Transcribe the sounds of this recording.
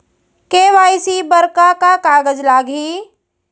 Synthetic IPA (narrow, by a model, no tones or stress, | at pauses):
keːʋaːjsibɐɾkakakaːɡəd͡ʒlaːɡʱiː